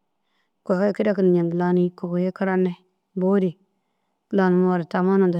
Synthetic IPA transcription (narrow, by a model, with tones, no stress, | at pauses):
ko˨ka˦˨ki˦da˦ki˦n˨ɲa˨n˨la˦ni˦ko˨kje˦ka˦ɾa˦nːe˦ | bo˦ɾi˨˦˨ | la˨nu˨m˦a˨ɾi˨ta˨ma˦nu˨da˨